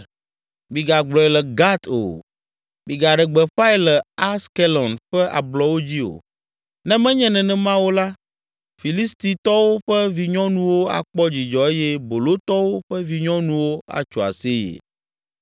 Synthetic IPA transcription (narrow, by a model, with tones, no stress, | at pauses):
mi˨ɡa˨ɡ͡blɔ˨ɛ˨lɛ˨ɡa˦t̪o̰˨ | mi˨ɡa˨ɖɛ˨ɡ͡bɛ˨ɸa˦i˦lɛ˨a˦ske˦lɔ˨nɸɛ˦ʔa̰˨blɔ˨wo˦d͡ʑi˦o̰˨ | nɛ̃˦mɛ̃˦ɲɛ̃˦nɛ̃˨nɛ̃˦mã˦wo˦la˦ | fi˨li˦st̪i˨t̪ɔ˦wo˦ɸɛ˦vi˨ɲɔ̃˦nũ˦wo˦a̰˨k͡pɔ˦d͡ʑi˨d͡ʒɔ˨e˦jɛ˦bo˨lo˦t̪ɔ˦wo˦ɸɛ˦vi˨ɲɔ̃˦nũ˦wo˦a̰˨t͡ʃo˨a̰˨se˦jḛ˨